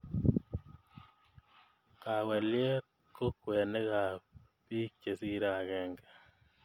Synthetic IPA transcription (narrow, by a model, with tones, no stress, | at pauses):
ka˨wɛ˨ljɛ˦ | ko˦kwɛ˨ne˦ɣa˨ | pi˦kke˨si˦ɾa˨ɣɛ˨ŋɡḁ˨